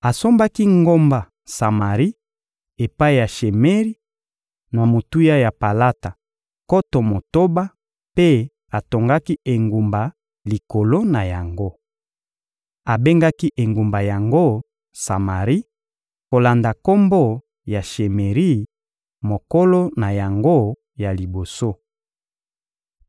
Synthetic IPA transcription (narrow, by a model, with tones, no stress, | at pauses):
a˨so˦mba˦ki˦ŋɡo˦mba˨ | sa˨ma˨ʁi˦ | e˨pa˦i˦˨ja˨ʃe˨me˦ʁi˦ | na˨mo˨tu˦ja˦ja˨pa˨la˦ta˨ | ko˦to˨mo˨to˦ba˦ | pe˦ | a˨to˨ŋɡa˦ki˦e˨ŋɡu˨mba˨ | li˨ko˨lo˦na˨ja˨ŋɡo˦ | a˨be˦ŋɡa˦ki˦ʔe˨ŋɡu˨mba˨ja˨ŋɡo˦ | sa˨ma˨ʁi˦ | ko˨la˨nda˨ko˦mbo˦ | ja˨ʃe˨me˨ʁi˦ | mo˨ko˦lo˦na˨ja˨ŋɡo˦ | ja˨li˨bo˨so˦